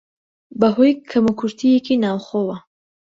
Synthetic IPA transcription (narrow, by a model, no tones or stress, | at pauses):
bɐɦojkʰɐmukʰuɾt̪ʰijekinaːwxoːwɐ